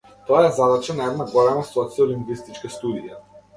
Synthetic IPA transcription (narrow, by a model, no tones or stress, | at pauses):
t̪ɔaɛzad̪at͡ʃanaɛd̪naɡɔlɛmasi̥t̪uat̪siɔliŋɡvist̪it͡ʃkast̪ud̪ija̰